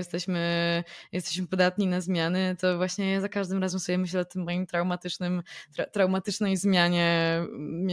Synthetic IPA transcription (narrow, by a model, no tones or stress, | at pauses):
jɛst̪ɛɕmɘjɛst̪ɛɕmɘpɔd̪at̪ɲinazmʲjanɘt̪ɔvwaɕɲɛzakaʐd̪ɨmɾazɛmsujɛmɘɕ̬ɛɔt̪ɘmːɔjimt̪ɾawmat̪ɘt͡ʂnɘmt̪ɾat̪ɾawmat̪ɘt͡ʂnɛjzmʲjaɲɛ